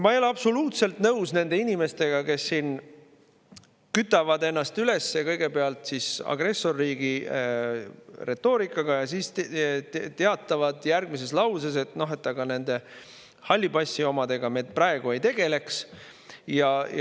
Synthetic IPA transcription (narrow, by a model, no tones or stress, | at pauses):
mɑjoleɑbso̞luːt̪se̞lt̪nɤwsne̞nd̪̥e̞inime̞st̪e̞ɡ̥ɑke̞sːiːn | kyt̪ːˑɑvɑd̪e̞nːɑst̪yle̞sːekɤjɡ̥e̞peɑlt̪sisɑ̰ɡ̥re̞sːo̞rːiːɡ̥i | re̞t̪ːo̞ːɾikˑːɑɡ̥ɑjɑsist | t̪eɑt̪ːˑɑvɑd̪̥jærɡ̥mise̞slɑwses̬e̞t̪ˑno̞ɦe̞t̪ːˑɑɡ̥ɑne̞nd̪̥e̞ | hɑlʲːibɑsːio̞mɑd̪̥e̞ɡ̥ɑmed̪̥̚prɑeɡ̥ue̞jt̪e̞ɡ̥e̞le̞ks | jɑj